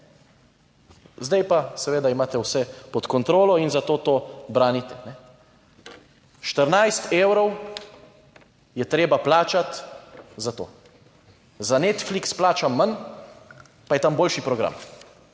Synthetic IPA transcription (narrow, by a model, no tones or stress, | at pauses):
zd̪ɛjpasɛʋeːd̪aimaːt̪ɛwsɛpɔt̪kɔnt̪ɾoːlɔinzat̪oːt̪oːbɾaːnit̪ɛnɛ | ʃt̪əɾnajst̪eːwɾɔw | jɛt̪ɾeːbaplaːt͡ʃat̪zat̪o̰ː | zaneːt̪fliksplaːt͡ʃamːan | pajɛt̪amboːlʃipɾɔɡɾa̰m